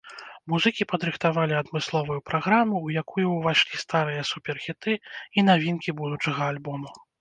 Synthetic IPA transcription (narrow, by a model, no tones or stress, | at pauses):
muzɨkʲipɐd̪ɾɨxt̪avalʲiɐd̪mɨslˠɔvujupɾaɣɾamːuwjakujuwvaʂlʲist̪aɾɨjɐsupʲɛrxʲit̪ɨinavʲinkʲibud̪ut͡ʂɐɣɐalʲbɔmu